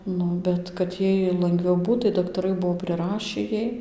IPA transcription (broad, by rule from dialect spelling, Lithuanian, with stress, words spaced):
ˈnʊ ˌbʲɛt kɐt ˈjɛɪ lˠɐŋɡˈʋʲɛʊ ˈbuːt tɐɪ dɐktɐˈrɐɪ ˈbuɔ pʲrʲɪˈrɑːʃʲiː ˈjɛɪ